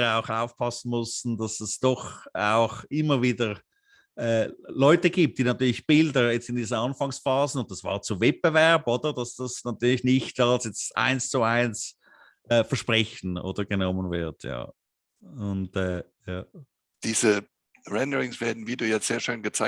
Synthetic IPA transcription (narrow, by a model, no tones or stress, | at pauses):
aʊxaʊfpʰɑsn̩mʊstn̩dɑsɛsd̥ɔχa̰ʊxɪməviːdə | ʔɛːlɔʏtəɡiːp̚t̚d̥iːnatyːɐlɪçb̥ɪldəjɛt͡stɪndiːzəɑnfɑŋsfɑːzənʊnt̚ɑsv̥a̰ːʁt͡suvɛt̚b̥əvɛɐboːdədɑsd̥ɑsnatyːɐlɪçnɪçtɑlsjɛt͡stʔa̰ɪnst͡suaɪns | ʔɛːfɛɐʃpʁɛçn̩ʔo̰ːd̥əɡənɔmənvɪɐtʰja̰ː | ʊntɛːjaː | d̥iːzə | ʁɛndəʁɪŋsv̥eːɐdn̩viːduːjɛz̥eːɐʃøːnɡət͡sa